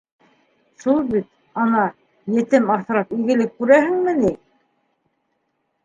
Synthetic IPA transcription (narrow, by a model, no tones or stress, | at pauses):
ʃulˠbit̪̚ | ɑnɑ | jɘ̆t̪ɘmɑθ̆ɾɑpɵ̆jɡɘ̆lɘk̚ːʉɾæhɘ̆ŋmɘ̆nij